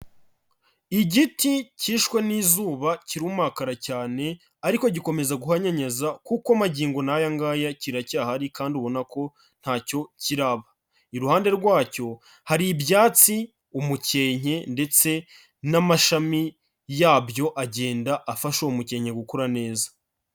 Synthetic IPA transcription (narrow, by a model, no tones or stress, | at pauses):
iɟiticiːʃkwe̞niːzuːβaciɾuːmakaɾacaːne̞ | aɾiko̞ɟiko̞me̞zaɡuhaɲaɲazakukamaɟiːŋɡo̞najaŋɡaːjaciɾacaːhaɾikaːnduβo̞nako̞ | n̥haːco̞ciɾaβa | iɾuhaːnde̞ɾɡwaːco̞ | haɾibjaːt͡si | umuce̞ːɲ̥e̞nde̞t͡se̞ | namaʃami | jaːbjo̞ʔaɟe̞ːndaʔːfaʃoumuce̞ːɲhe̞ɡukoɾane̞ːzḁ